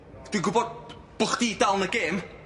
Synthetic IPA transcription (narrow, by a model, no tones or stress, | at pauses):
d̥winɡʊbɔd̚ | b̥ʊχd̥iːdalˠnəɡeːm